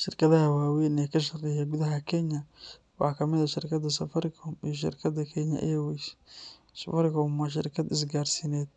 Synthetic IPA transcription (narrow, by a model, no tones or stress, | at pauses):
ʃɪrkʰɐðɐɦɐwaːwijnɛːkʰɐʃɐrɛjɛɡʊðɐɦɐkʰɛɲɐ | wɑ̰ħkʰɐmɪðɐʃɪrkʰɐd̪ɐsɐfɐɾɪkʰɔmijɔʃ̬ɪ̰rkʰɐd̪ɐkʰɛɲɐ̰ʔɛwɛs | sɐfɐɾɪkʰɔmaʃ̬ɪ̰rkʰɐd̪ɪs̬ɡaːrsinɛːd̪̚